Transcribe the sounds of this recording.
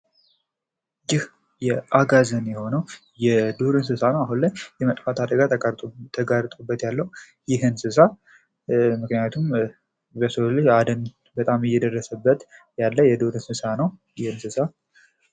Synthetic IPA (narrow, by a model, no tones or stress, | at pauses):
jɪh | jɛʔaɡazənjɛho̞nəw | jɛd̪oɾɨnsɨsanəwaɦunlajjɛmət̪ʼfat̪ʰad̪əɡat̪t̪ʰəɡaɾt̪ʼubːət̪jalːəw | jɪɦɨnsɨsa | mɨknɨjat̪ʰum | bəsollead̪ən | bət̪ʼamɪjːɛd̪ərːəsəbːət̪ | jalːəjɛd̪oɾɨnsɨsanəwjɪhɨnsɨsa